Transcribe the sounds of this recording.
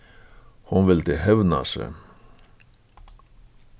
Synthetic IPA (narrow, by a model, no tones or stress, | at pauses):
hʊnʋɪld̪ehɛvna̰sɛ̰